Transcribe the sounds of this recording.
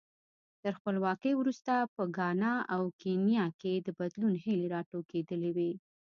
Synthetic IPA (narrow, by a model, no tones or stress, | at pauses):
t̪əɾxpəlwɑkəjwɾust̪apəɡɑnɑawkenjɑked̪əbad̪lunhɪleɾɑʈoked̪əlewe